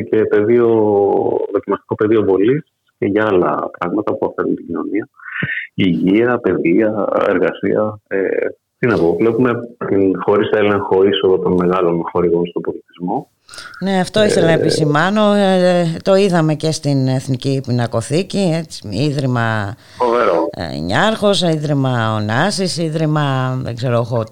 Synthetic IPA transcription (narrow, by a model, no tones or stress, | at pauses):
ce̞pe̞ðio̞ | ðo̞cimɐst̪i̥ko̞pe̞ðio̞vo̞lis | ceʝɐɐlɐ̰pɾɐɣmɐt̪ɐpuɐfe̞ɾunt̪iɟino̞niɐ | iʝiɐpe̞ðiɐeɾɣɐsḭɐ̰ḛ | p̪t̪inɐpo̞vle̞pume̞t̪inxo̞ɾisele̞ŋxo̞iso̞ðot̪o̞nme̞ɣɐlo̞nxo̞ɾiɣo̞nst̪obo̞lit̪izmo̞ | ne̞ɐft̪o̞iθelɐnɐepisimɐno̞ | t̪o̞iðɐme̞ce̞st̪ine̞θnicipinɐko̞θicie̞t͡si̥iðɾimɐ | foveɾo̰ɲɐɾxo̞siðɾimɐonɐsisiðɾimɐðḛɡze̞ɾooxot̪